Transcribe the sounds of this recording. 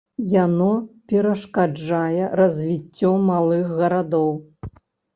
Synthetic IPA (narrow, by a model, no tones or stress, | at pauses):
janɔpʲɛɾɐʂkad͡ʐajɛɾɐzʲvʲit͡sʲːɔmalˠɨxɣɐɾad̪ɔw